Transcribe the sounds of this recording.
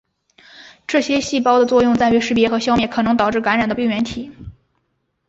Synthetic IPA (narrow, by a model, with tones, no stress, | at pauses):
ʈ͡ʂɤ˥˩ɕjɛ˥ɕi˥˩pɑ˥ʊd̪ə˨t͡swɔ˥˧jʊ˥˧ŋt͡sa˥˩ɪy˧˥ʂɻ̩˧˥˩pjɛ˧˥xɤ˧˥ɕjɑ˥ʊmjɛ˥˩kʰɤ˨˩nɤ˧˥ŋt̪ɑ˨˩ʊʈ͡ʂɻ̩˥˩ka˧˥nɻa˨˩nd̪ə˦pi˥˩ŋɥɛ˧˥nt̪ʰi˨˩˦